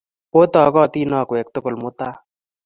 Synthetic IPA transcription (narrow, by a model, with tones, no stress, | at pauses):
o˦t̪ɔː˨kɔ˦˨t̪iː˦nɔː˧kwe˨kt̪ʊ˦kʊ˨lmʊ˦t̪a˦